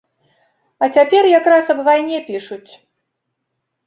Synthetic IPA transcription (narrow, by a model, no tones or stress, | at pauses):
ɐt͡sʲapʲɛrjakɾasɐbvajnʲɛpʲiʂut͡sʲ